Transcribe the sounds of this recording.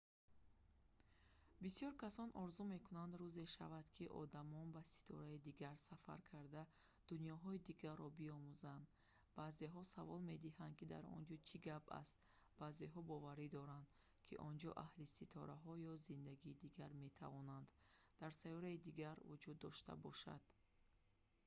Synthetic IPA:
bisijɔɾkʰasɔnʔɔɾzume̞kʰunand̪ɾuze̞ʃa̰vad̪̥kʰiʔɔ̰d̪amɔnbasi̥t̪ʰɔ̰ɾaid̪iɡaɾsafa̰ɾkʰaɾd̪a | d̪̥unjɔɦɔid̪iɡarːɔbiɔmuzand̪ | b̥aːzeɦɔsavɔlme̞d̪iɦand̪̚kid̪a̰ɾɔ̰nd͡ʒɔt͡ʃʰiɡaba̰st̪ | b̥aːzeɦɔbɔvaɾid̪ɔɾand̪ | kʰḭʔɔnd͡ʒɔ̰ʔahlisit̪ʰɔ̰ɾaɦɔjɔzind̪aɡiːd̪iɡaɾme̞t̪ʰa̰vɔnand̪d̪̥aɾsajɔɾaid̪iɡaɾvud͡ʒud̪ːɔʃt̪a̰bɔʃa̰d̪̥

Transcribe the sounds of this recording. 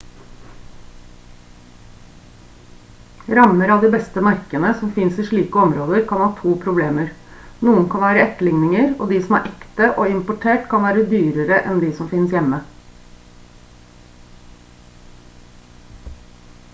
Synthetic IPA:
ɾɑməɾɑʋd̪ɪbɛst̪əmɑɾkənəsɔmfɪnsiːʂɭiːkəɔmɾoːd̪əɾkʰɑnhɑːt̪ʰuːpʰɾʊbleːməɾ | nuːənkʰɑnʋæːɾəɛt̪ːəlɪŋnɪŋəɾo̰ːd̪isɔmæ̰ːɾʔɛkt̪əʔoːɪmpʊʈʰeːʈkʰɑnʋæːɾəd̪yːɾəɾəʔɛnd̪isɔmfɪnsjɛmə

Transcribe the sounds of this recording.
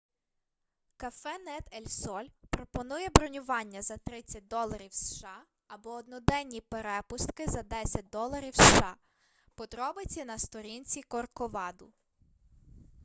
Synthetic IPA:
kɐfɛnɛt̪elʲsɔlʲpɾɔpɔnujɛbɾɔnʲʊʋɑnʲːɐzɐt̪ɾɪt͡sʲːɐt̚ʲd̪ɔlˠɐɾʲiwsʃɑ | ɐbɔɔd̪nɔd̪ɛnʲːipeɾɛpʊst̪kɪzɐd̪ɛsʲɐt̚ʲd̪ɔlˠɐɾʲiwsʃɑ | pɔd̪ɾɔbɪt͡sʲinɐst̪ɔɾʲinʲt͡sʲikɔrkɔʋɑd̪ʊ

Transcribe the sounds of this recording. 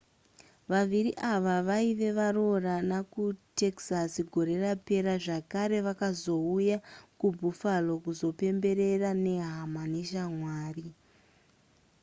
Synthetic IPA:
ʋaʋiriʔaʋaʋaiʋe̞ʋaro̞ranakute̞ksasiɡʱoɾe̞rape̞ɾaʐakaɾe̞ʋakazo̞ujakubʱufalo̞kuzo̞pe̞mbe̞ɾe̞rane̞ɦamane̞ʃamwaːri

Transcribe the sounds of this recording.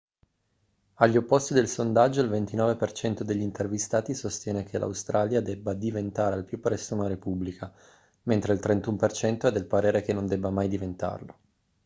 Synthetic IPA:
aʎːiopːost̪id̪elsond̪ad͡ʒːoilvent̪inɔːvepert͡ʃɛnt̪od̪eʎːint̪ervist̪aːt̪isost̪jɛːnekʰela̰wst̪ɾaːljad̪ɛbːad̪ivent̪aːɾealpjupːɾɛsːounaɾepublikʰa | ment̪ɾeilt̪ɾent̪umpert͡ʃɛnt̪oɛd̪ːelpaɾeːɾekenːond̪ɛbːamajd̪ivent̪a̰rlo

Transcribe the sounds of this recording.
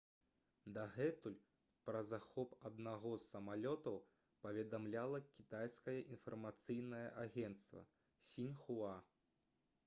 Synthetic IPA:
d̪aɣɛt̪ulʲ | pɾɐzaxɔpɐd̪naɣɔsːɐmalʲɔt̪ɐw | pɐvʲɛd̪amlʲalˠɐkʲit̪ajskɐjɐʔinfɐrmat̪sɨjnɐjɐʔaɣʲɛnt̪st̪vɐ̰ | sʲinʲxua

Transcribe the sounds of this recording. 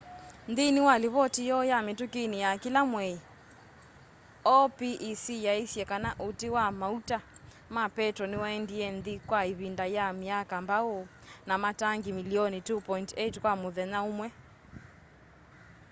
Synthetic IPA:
nðinɪwaleβɔtijɔjametukinijakilamwɛi | ɔpiʔːsijaesjɛkanaʔotewamauta | mapɛtɾɔnewaɛndiɛnðikwaiβindajamiakambao | namataŋɡimiliɔnitupɔintetkwamoðɛnaomwɛ

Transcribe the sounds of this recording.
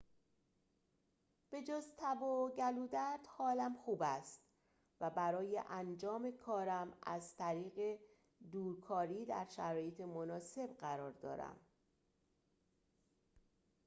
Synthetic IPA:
b̥e̞d͡ʒoːzt̪ʰæboɟæluːd̪æɾd̪̥hɒːlæmxuːbæst̪ | væbæɾɒːje̞̰ʔænd͡ʒɒːme̞kʰɒːɾæmæ̰zt̪ʰæɾiːɣe̞ | d̪uːɾkʰɒːɾiːd̪æɾʃæɾɒːje̞t̪ʰe̞monɒːse̞bɢæɾɒːɾd̪ɒ̰ːɾæ̰m

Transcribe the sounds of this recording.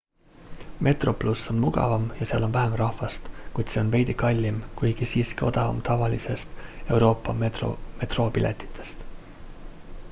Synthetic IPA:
mʔe̞t̪ro̞plusːo̞nmuɡ̥ɑ̰vɑmjɑseɑlo̞nvæɦemrɑhfɑst̪kujd̪̥seo̞nve̞jd̪ikɑlʲːimkujɡ̥isiːskio̞̰d̪̥ɑvɑ̰mt̪ɑvɑlise̞st̪e̞wɾo̞ːpːˑɑo̰me̞t̪ro̞ːpilʔḛt̪ːˑi̥t̪ʰːˑe̞̥st̪

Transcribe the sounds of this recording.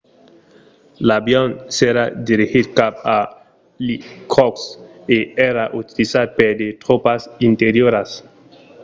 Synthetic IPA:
labjonseɾad̪iɾixid̪̚kap̚a | likʰokseeɾaʔut̪ilisad̪̚peɾd̪et̪ɾopasint̪eɾjoɾas

